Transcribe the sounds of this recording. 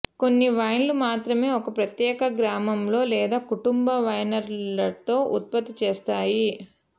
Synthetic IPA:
ko̞nːiʋɐjnlumaːt̪ɾɐme̞ːɔkɐpɾɐt̪jɛːkɐɡɾaːmɐmlo̞ːlɛːd̪aːkuʈumbɐʋɐjnɐɾlɐt̪o̞ːʔut̪̚pɐt̪ːit͡ʃeːst̪aːji

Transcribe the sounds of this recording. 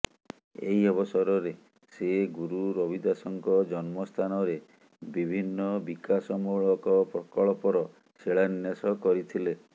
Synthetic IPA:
ḛɦiɔbɔsɔɾɔɾe | seɡuɾuɾɔbid̪asɔŋkɔd͡ʒɔnmɔst̪ʰanɔɾe | bibʱinːɔbikasɔmuɭɔkɔpɾɔkɔɭɔpɔɾɔ | seɭanjasɔkɔɾit̪ʰile

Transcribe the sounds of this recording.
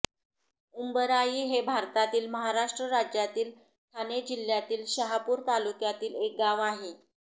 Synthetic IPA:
umbəɾaiːɦebʱaɾt̪at̪iːlməɦaɾaʂʈɾəɾad͡ʑjat̪iːl | t̪ʰaned͡ʑil̤jat̪iːlɕəɦapuːɾt̪alukjat̪iːlek̚ɡaʋaɦe

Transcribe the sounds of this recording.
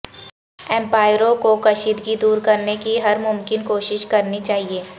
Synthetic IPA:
ɛ̃ːmpaːɪɾõkokɐʃiːd̪ɡid̪uːɾkɐɾnekiɦɐɾmʊmkɪnkoːʃɪʃkɐɾnit͡ʃaːɦieː

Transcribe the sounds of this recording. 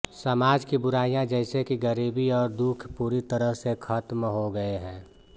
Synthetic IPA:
sɐmaːd͡ʒkibʊɾaːijãd͡ʒɛːɪsekiɡəɾiːbiɔːɾd̪ukʰpuːɾit̪əɾəɦsekʰɐt̪mɦoɡɐeɦɛ̃ː

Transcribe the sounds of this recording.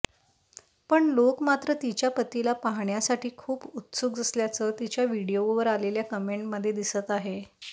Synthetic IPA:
pəɳlokmat̪ɾət̪it͡ɕjapət̪ilapaɦɳjasaʈiːkʰuːbut̪suɡ̚d͡zəsljat͡səːt̪it͡ɕjaʋiɽijoʋəɾaleljakəmeɳʈməd̪ʱːjed̪isət̪aɦe

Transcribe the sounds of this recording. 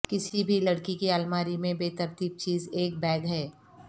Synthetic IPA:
kɪsibʱilɐɽkikiaːlmaːɾimẽbeːt̪ɐɾt̪iːb̚t͡ʃiːzeːk̚bɛːɡɦɛː

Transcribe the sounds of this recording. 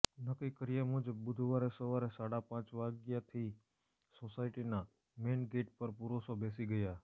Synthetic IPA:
nəkikəɾijamud͡ʒəbbʊd̪ʱʋaɾesəʋaɾesaɽapãt͡ʃʋaɡjat̪ʰi | sosaiʈina | menɡeʈpəɾpuɾosobesiɡəja

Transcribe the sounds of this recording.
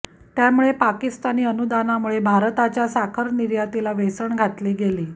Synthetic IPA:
t̪jamuɭepakist̪aniːənud̪anamuɭebʱaɾt̪at͡ɕjasakʰəɾniɾjat̪ilaʋesəɳɡʱat̪liːɡeliː

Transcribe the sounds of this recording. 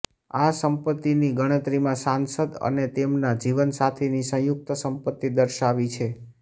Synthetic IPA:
asəmpət̪ːiniɡəɽ̃ət̪ɾimãsansəd̪ə̰net̪emnad͡ʒiʋənsat̪ʰenisə̃juk̚t̪əsəmpət̪ːid̪əɾʃaʋit͡ʃʰe

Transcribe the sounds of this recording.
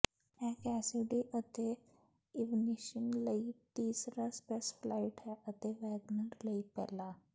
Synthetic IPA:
ɛ̃kɛsiɖiʔət̪e | iʋniɕənləit̪iːsɾaspesflaiʈɦɛʔət̪eʋɛɡnəɳʈləipɛ̰la

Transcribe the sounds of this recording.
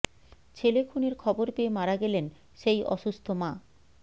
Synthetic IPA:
t͡ɕʰelekʰuneɾkʰɔboɾpeːmaɾaɡɛlen | ʃejʔɔ̰ʃust̪ʰomã

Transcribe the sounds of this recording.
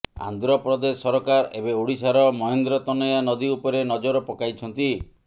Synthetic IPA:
a̰nd̪ɾɔpɾɔd̪esɔɾɔkaɾḛbeuɽisaɾɔmɔɦend̪ɾɔt̪ɔnɔjanɔd̪iupɔɾenɔd͡ʒɔɾɔpɔkajt͡ʃʰɔnt̪i

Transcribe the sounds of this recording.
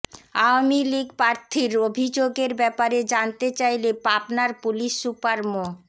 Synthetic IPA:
awamiliɡpɾaɾt̪ʰiɾobʱid͡ʑoɡeɾbɛpaɾed͡ʑant̪et͡ɕajlepapnaɾpuliʃːupaɾmo

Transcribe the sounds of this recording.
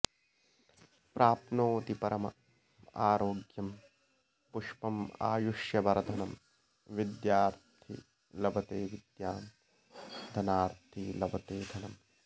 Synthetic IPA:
pɾʔaːpnoːt̪ipɐɾɐmɐ̰ | a̰ːɾoːɡjɐm | puʂpɐma̰ːjuʃjɐʋɐɾɐd̪ʱɐnɐm | ʋid̪jaːɾt̪ʰḭ | lɐbɐt̪eːʋid̪jaːn | d̪ʱɐnaːɾt̪ʰilɐbɐt̪eːd̪ʱɐnɐm

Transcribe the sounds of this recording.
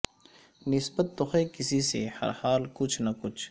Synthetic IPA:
nɪsbət̪ːʊxekɪsisḛhɐ̰ɾhaːlkʊt͡ʃʰnɐkʊt͡ʃʰ

